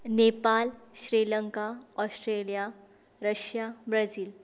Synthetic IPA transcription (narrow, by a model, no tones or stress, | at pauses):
nepalɕɾiləŋkaɔsʈɾelija | ɾəɕjabɾad͡ziːl